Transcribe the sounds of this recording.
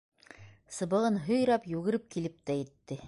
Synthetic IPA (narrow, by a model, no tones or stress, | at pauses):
sɤ̆βɤ̆ʁɤnɦɵ̆jɾɑpjʉɡɘ̆ɾɘp̚kilɘp̚t̪æjɘ̆t̪ːɘ